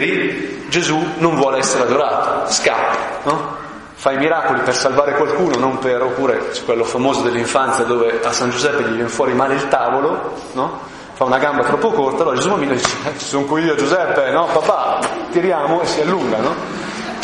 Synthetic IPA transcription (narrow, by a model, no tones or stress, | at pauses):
ɾid͡ʒezunoɱvwɔːleɛsːeɾead̪oɾaːt̪o̥ska̰pːḁnɔ | fajmiɾaːkolipersalvaːɾekwalkuːnonomperopːuːɾesu̥kːwelːofamoːzod̪elːiɱfant̪sjad̪oːveasːand͡ʒuzɛpːeʎivjɛnfwɔːɾimaːleilt̪aːvolo | nɔ | faunaɡambat̪ɾɔpːokort̪aloɾad͡ʒezumamːinːod̪it͡ʃe̥ɛt͡ʃi̥soŋkwiiːod͡ʒuzɛpːenɔbapːat̪iɾjaːmoesːialːuŋɡanɔ